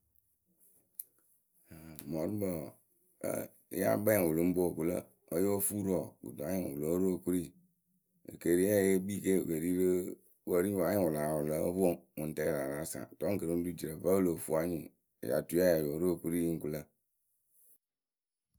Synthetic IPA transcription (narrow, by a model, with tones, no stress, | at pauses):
mɔ˨ɾi˦bə̰˨˦ | ja̰˦ba˦˨o˨lo˨˦m̩˦bo˦˨ku˨˦lə̰˦˨ | ə˦jo˦fu˦ɾɔ˨ɡṵ˨du˨a˦ɲi˦˨u˨lo˨˦ɾo˦˨ku˦ɾi˦˨ | ə̰˨ke˨ɾi˦ɛ˦˨je˦bi˦˨ke˦˨wə˨ɾi˦ɾe˦ | wə˦ɾi˦wa˨˦ɲi˦˨wu˨la˨wu˨lə̰˦fo˦ŋu˨n̩˨tɛ˦˨ɾa˨ɾa˦sã̰˨tɔ˦ŋ̩˦kə˨ɾe˦n˦du˦˨d͡ʒi˨ɾə˨və˦lo˨fu˦a˦ɲḭ˨ | ja̰˨tu˦a˦ja˨jo˨˦ɾo˦˨ku˦ɾi˦i˦ŋ̩˦ku˨lə˦˨